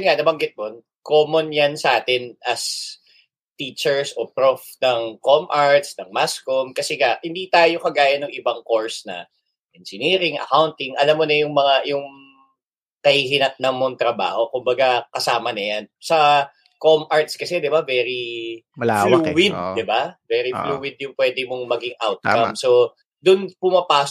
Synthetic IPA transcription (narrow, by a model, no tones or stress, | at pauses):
nŋanɐbɐŋɡɪt̪̚mon | koːmonjansɐʔaːt̪ɪnʔɐs | t̪iːt͡ʃɛɹsʔopɾofnɐŋkomʔaɹt̪snɐŋmaskomkɐsɛɡahɪnd̪it̪aːjo̞kɐɡaːjɐnːʊŋʔɪbaŋko̞ɹsnɐ̰ | ʔɛnd͡ʒɪniːɾɪŋʔɐ̰kawnt̪ɪŋʔɐlamːonɐjʊŋmɐŋajʊŋ | kɐhiːɦɪnɐt̪̚nɐŋmoŋt̪ɾɐba̰ːho̞kʊmbɐɡakɐsaːmɐnɐjansɐ | komʔaɹt̪skɐsɛd̪ɪbavɛɾimɐlaflwuwɪd̪̚d̪ɪbavɛɾifluːwɪd̪̚jʊŋpwɛd̪ɪmoŋmɐɡɪŋʔawt̪̚kɐmso | d̪ʊnpʊmɐpaː